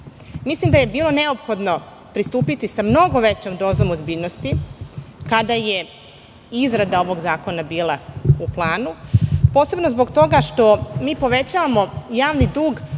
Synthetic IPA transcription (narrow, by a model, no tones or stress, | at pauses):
mislimd̪aje̞biːlˠo̞ne̞o̞pxo̞d̪no̞ | pɾist̪uːpit̪isamno̞ɡo̞ʋe̞t͡ɕomd̪o̞ːzo̞mozbiːʎnost̪i | kad̪aje̞ | izɾad̪ao̞ʋo̞ɡzaːko̞nabiːlˠauplˠaːnupo̞ːse̞bnozbo̞ɡt̪o̞ɡaʃt̪o̞miːpo̞ʋe̞t͡ɕaːʋamo̞jaːʋnid̪uːɡ